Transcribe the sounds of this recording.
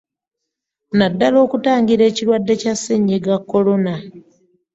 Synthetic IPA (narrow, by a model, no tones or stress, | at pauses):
nadːalo̞ːkutaːŋɡiɾe̞ːciɾwadːe̞casːeɲːiɡakːo̞lo̞na